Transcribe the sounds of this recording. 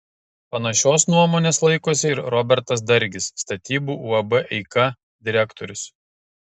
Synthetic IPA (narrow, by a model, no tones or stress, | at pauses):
pɐnɐʃʲoːsnuɔmoːnʲeːslˠɐɪkoːsʲɪɪɾɾɔbʲɛɾt̪ɐs̬d̪ɐɾʲɡʲɪsːt̪ɐt̪ʲiːbuːʔuːɐbɛʔɛɪkɐ | d̪ʲɪɾʲækt̪ɔɾʲʊs